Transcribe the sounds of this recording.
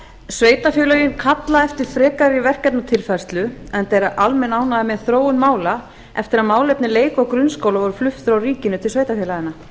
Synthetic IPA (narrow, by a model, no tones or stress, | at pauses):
sveːjt̪afjœlœjɪnkʰat̪laðɛft̪ɪɾ̥fɾɛːkaɾɪɾivɛr̥cɛt̪nat̪ʰɪlfaɾ̥st̪lʏɛnθejɾaʔalmɛnaːwnaðɪmɛθɾoːwʏnmaːwla | ɛ̰ft̪ɪɾaðmaːwlɛp̪nɪleːjkɔɣkɾʏnskowlavɔɾʏflʏft̪θɾawriːcɪnʏt̪ʰɪlsveːjt̪afɛlaɪna